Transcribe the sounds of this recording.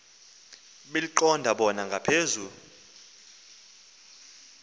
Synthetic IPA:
ɓeliǃɔndʱaɓɔnaŋɡʱapʰeːzu

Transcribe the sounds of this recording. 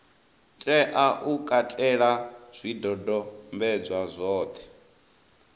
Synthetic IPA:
tʼɛʔaʔukʼatʼɛɺaz̥ʷidɔdɔmbɛd͡zʷwazʷɔːt̪ʰɛ̥

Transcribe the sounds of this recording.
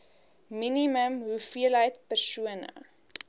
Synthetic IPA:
miniməmɦufiələjtpərsuənə̰

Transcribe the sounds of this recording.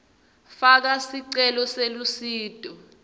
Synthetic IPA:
fak̬asiǀɛlɔselusiːd̥ʼɔ

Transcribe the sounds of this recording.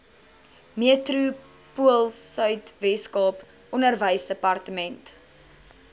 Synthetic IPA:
miətru | puəlˠsœɥtvɛskɑːp | ɔnərvəjsdəpɐrtəmɛnt

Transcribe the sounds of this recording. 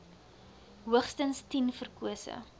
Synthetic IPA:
ɦuəχstənstinfərkuəsə̰

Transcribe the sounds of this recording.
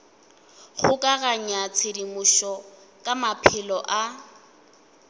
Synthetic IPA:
χʊkʼaɣaɲat͡sʰɪdimʊʃɔ | kʼamapʰɪlɔʔa

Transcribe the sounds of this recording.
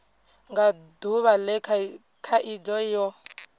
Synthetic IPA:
ŋɡaduβalɛ | kʰaʔid͡zɔjɔ

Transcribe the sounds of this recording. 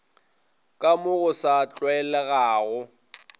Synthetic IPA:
kʼamʊɣʊsat͡ɬʼwɛlɛɣaːɣʊ

